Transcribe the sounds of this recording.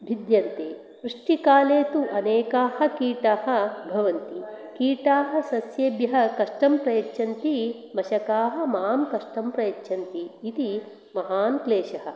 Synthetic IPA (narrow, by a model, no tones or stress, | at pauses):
bʱid̪jɐnt̪eː | pɾuʂʈikaːleːt̪uʔɐneːkaːhɐ̆kiːʈaːɦɐ̆bʱɐʋɐnt̪ikiːʈaːɦɐ̆sɐsjeːbjɐɦɐ̆kɐʂʈɐmpɾɐjɐtːʃʰɐnt̪i | mɐʃɐkaːɦɐ̆maːmkɐʂʈɐmpɾɐjɐtːʃʰɐnt̪iːt̪i | mɐɦaːnkleːʃɐɦɐ̆